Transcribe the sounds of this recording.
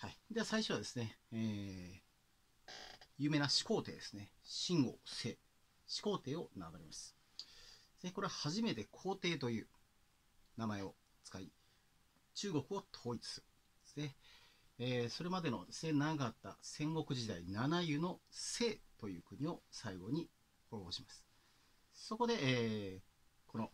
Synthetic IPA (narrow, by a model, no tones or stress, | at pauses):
haid̪e̞asaiɕoad̪e̞sɨne̞eː | jɯ̟ːme̞naɕi̥ko̞ːt̪e̞̰ːd̪e̞sɨ̥ne̞ɕĩŋɡose̞ː | ɕi̥ko̞ːt̪e̞ːo̞naɡaɾʲimasɨ̥ | z̥eko̞ɾeahaʑime̞t̪e̞kʰo̞ːt̪e̞ːt̪o̞jɯ̟ː | namae̞o̞ | t͡sɨ̥kai | t͡ɕɨːɡo̞kɯ̟o̞t̪ʰo̞ːit͡sɨ̥sɨ̥ | ze | so̞ɾe̞mad̪e̞no̞senaɡat̪ːa̰sẽ̞ŋɡo̞kɯ̟ʑid̪ainanajɯ̟no̞se̞ːt̪ojɯ̟ːkɯ̟ɲ̟io̞saiɡo̞ɲ̟i | hoːboːɕimasɨ̥ | so̞ko̞d̪e̞ʔː | ko̞no̞